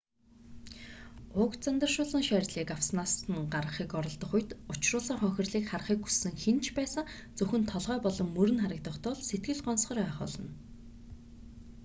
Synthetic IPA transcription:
ʊkt͡sant̪ə̆rʃʊːɮə̆ŋʃæːrt̪ɮiːkawsnaːsə̆nɢarʁə̆χiːkɔɾɞ̆ɮt̪ɞ̆χʊjt̪ʊt͡ɕrʊːɮiːŋχœŋxʲɪ̆rɮiːkχarχiːkxu̥sːɘ̆ŋxent͡ɕʰpæːsə̆ŋ | t͡sɵxɵ̆nt̪ʰɔɮʁœːpɔɮɞ̆mːɵɾɘ̆nχaɾə̆kt̪ə̆χt̪ʊɮset̪̚ɡɘ̆ɮɢɔnsχɞ̆ræːχʊ̰ːɮɞ̰̆n

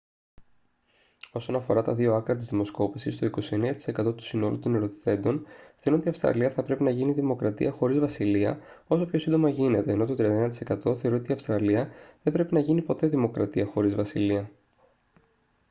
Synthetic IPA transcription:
o̞so̞nɐfo̞ɾɐt̪ɐðio̞ɐkɾɐt̪izðimo̞sko̞pisist̪o̞iko̞sie̞neɐt̪i̥se̞kɐt̪o̞t̪u̥sino̞lut̪oneɾot̪i̥θe̞nd̪o̞nθeoɾuno̞t̪iɐfst̪ɾɐ̰liɐθɐpɾe̞pinɐʝiniðimo̞kɾɐt̪ḭɐxo̞ɾizvɐsiliɐ̰ | o̞so̞pçosind̪o̞mɐʝine̞t̪e̞ːno̞t̪o̞t̪ɾiɐnd̪enɐt̪ise̞kɐt̪o̞θe̞ɾoot̪iɐfst̪ɾɐliɐðebɾe̞pinɐʝinipo̞t̪e̞ðimo̞kɾɐt̪iɐxo̞ɾizvɐsiliɐ

